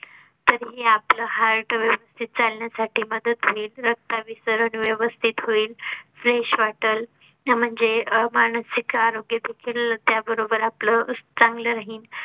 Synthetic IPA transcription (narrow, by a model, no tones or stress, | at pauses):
t̪əɾɦiːapləɦaɾʈəʋjəʋəst̪ʰit̪̚t͡salɳjasaʈʰiːməd̪ət̪ɦoiːlɾək̚t̪aʋisəɾəɳʋjəʋəst̪ʰit̪ɦoiːlfɾeɕʋaʈəl | m̤əɳd͡zemaɳ̃əsikaɾoɡjəd̪ekʰiːlt̪jabəɾobəɾaplət͡sãŋɡləɾaɦiːn